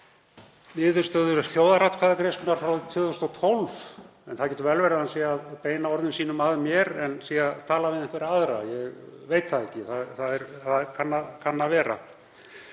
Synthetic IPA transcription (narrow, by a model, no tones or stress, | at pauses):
nɪːðʏ̥st̪œðʏ̥θjoːwðaɾat̪kʰvaːðakɾejskʏnaɾ̥fɾawðʏt̪ʰʏːðθosnɔt̪ʰɔlv | ɛnθaðcɛːt̪ʏvɛlvɛɾaðhansiːjaaðpeːjnaɔɾðɪnsiːnʏmaðmjɛɾɛnsiːjaðt̪ʰaːlavɪðɛ̃ŋkvɛɾɪaðɾa̰jɛɣvejt̪θaðɛhcːɪθaðθaðɛɾ̥θaðkʰanːakʰanːavɛːɾa̰